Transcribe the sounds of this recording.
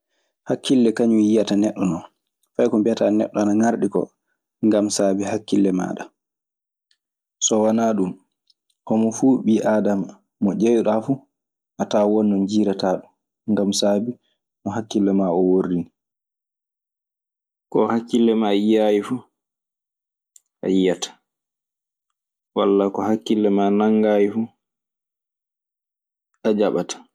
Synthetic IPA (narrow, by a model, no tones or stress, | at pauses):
hakːilːɛkaɲujijatanɛɗːɔnɔn | fajkɔmbiatanɛ̰ɗːɔanaŋaɾɗikɔ̰ | ŋɡamsaːbihakːilːɛma̰ːɗa̰ | sɔwanaɗum | hɔmɔfuːɓiːʔaːdamaː | ɔd͡ʒejɗafu | ʔataːwɔnːɔnd͡ʒiːɾataːɗum | ŋɡamsaːbi | nɔɦakːilːɛmaɔworini | kɔhakːilːɛmaijajifuː | ʔa̰ijatḁ | wa̰lːakɔhakːilːɛmanaŋɡaːjifu | ʔad͡ʒaɓatʰḁ